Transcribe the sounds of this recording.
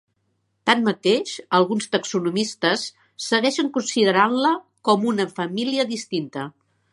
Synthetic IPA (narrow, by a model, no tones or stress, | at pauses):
t̪anmət̪eʃəlˠɣunst̪əksunumist̪əsː | əɣɛʃəŋkunsiðəɾanlə | kɔmunəfəmiliəðist̪int̪ə